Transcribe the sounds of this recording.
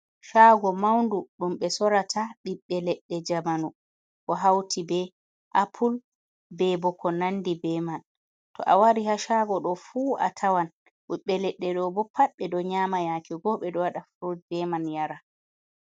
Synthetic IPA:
ʃaɡɔmawnduɗumɓɛsɔɾatʰaɓiɓːɛlɛɗːɛd͡ʒamanu | kɔɦawtʰibɛ | ʔapʰul | bɛbɔkʰɔnanːdibɛman | tɔ̰ʔawaɾihaʃaːɡɔɗɔfuʔa̰tʰawan | ɓiɓːɛlɛɗːɛɗɔbɔpʰaɓːɛdɔɲamajakiɡɔɓɛdɔwaɗafɾod̚bɛmanjaɾa

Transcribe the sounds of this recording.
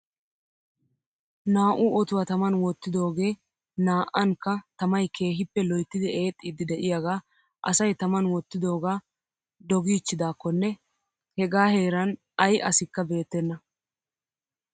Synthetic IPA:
naːʔʊɔt̪ʊwat̪ɐmɐnwɔt̪ːɪd̪o̞ːɡe̞ː | naːʔɐŋkːɐt̪ɐmɐjkʰe̞ːɦɪpːɛlɔjt̪ːɪd̪ɪʔe̞ːt̪ʼːɪd̪ɪd̪ɛʔɪjaɡaː | ʔɐ̰sɐjt̪ɐmɐnwɔt̪ːɪd̪o̞ːɡaː | d̪ɔɡiːt͡ʃːɪd̪aːkːɔnːɛ | hɛɡaːhe̞ːɾɐn | ɐjʔɐsɪkːɐbe̞ːt̪ːɛnːɐ

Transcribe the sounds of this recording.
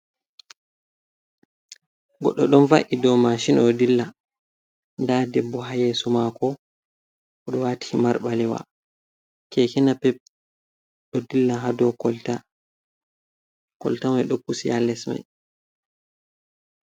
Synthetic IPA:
ɡɔɗːɔɗɔnvaʔidɔmaʃinɔdilːa | ndadɛbːɔɦajɛsumakɔ | ʔɔɗɔwatʰi̥maɾɓalɛwa̰ | kɛkɛnapɛ | ɗɔdilːaɦadɔkɔlta | kɔ̰ltamajɗɔkːusijalːɛsma̰j

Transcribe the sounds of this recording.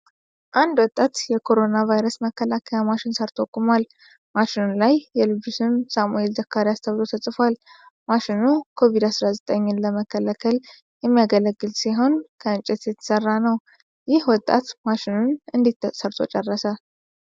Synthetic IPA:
ʔand̪wɔt̪ʼːat̪jɛkʰo̞ɾo̞navajɾəsməkʰːəlakʰəjamaʃɪnsəɾt̪ʰokʼːumal | maʃɪnunlajːɛlɨusɨmsamue̞lzəkʰːaɾiast̪ʰəβlo̞t̪ʰəsʼfal | maʃɪnukʰo̞vid̪asɾazət̪ʼəɲːɪnləməkʰːəlakʰəl | jɛmːijaɡələɡːɨlsiɦo̞nkʰəɨnt͡ʃʼɛt̪jɛt̪ʰə̥sərːanəw | jɪhwɔt̪ʼːa̰t̪maʃɪnunɨnd̪it̪ːsəɾt̪ʰʼo̞̰t͡ʃʼɛrːəsa

